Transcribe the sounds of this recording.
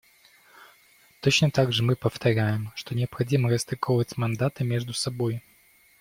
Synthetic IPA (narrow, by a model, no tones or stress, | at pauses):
t̪ot͡ɕnət̪aɡʐɨmɨpəft̪ɐɾʲæjɪmʂt̪o̞nʲɪɐpxɐdʲiməɾəst̪ɪkʰovətʲmɐnd̪at̪ɨmʲeʐd̪ʊsɐboj